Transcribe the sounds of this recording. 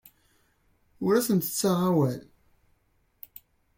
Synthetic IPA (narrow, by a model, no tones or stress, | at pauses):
ʊɾæsənt̪ə̥t͡sːaʁawæl